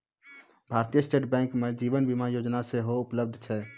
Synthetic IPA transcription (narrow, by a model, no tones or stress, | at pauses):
bʱaːɾt̪ijəsʈeːʈbɛ̃ːŋkmed͡ʒiːʋənbimajoːd͡ʒnaseɦoʊpləb̚d̪ʱt͡ʃʰɛː